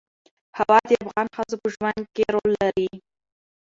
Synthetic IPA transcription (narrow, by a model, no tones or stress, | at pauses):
hawɑd̪əafɣɑnxəzopəʒwand̪̚keɾolːaɾi